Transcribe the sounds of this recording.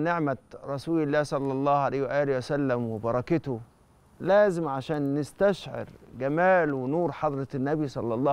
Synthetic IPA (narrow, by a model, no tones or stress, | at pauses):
nɪʕmæɾˤɑsuːlɪlːæːhsˤɑlːɑlˤːɑːhʕalæjhwæʔæːlwæsælːæmwebɑɾˤɑkɪt̪ʊ | læːzɪmʕaʃæːnːɪst̪æʃʕḛɾɡæmæːlwɪnuːɾħɑd̪ˤɾˤɑnːæbisˤɑlːɑlˤːɑː